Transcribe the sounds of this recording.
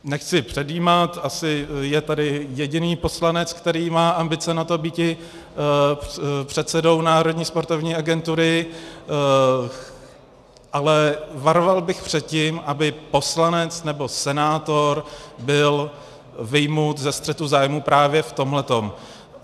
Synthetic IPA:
nɛxt͡sɪpr̝̥ɛdiːmat̪ʔasɪjɛt̪adɪjɛɟɪniːpo̞slanɛt͡skt̪ɛɾiːmaːʔambɪt͡sɛnat̪o̞bicɪ | pr̝̥ɛt̪sɛdo̞wnaːɾo̞dɲiːspo̞ɾt̪ovɲiːʔaɡɛnt̪uɾɪ | ʔalɛvaɾovalbɪxpr̝̥ɛt̪̚ciːmʔabɪpo̞slanɛt͡snɛbo̞sɛnaːt̪o̞ɾbɪl | vɪjmut̪zɛst̪r̥ɛt̪uzaːjmupɾaːvjɛft̪o̞mɦlɛt̪o̞m

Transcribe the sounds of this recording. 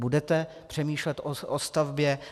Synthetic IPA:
budɛt̪ɛ | pr̥ɛmiːʃlɛt̪ʔoʔost̪avbjɛ

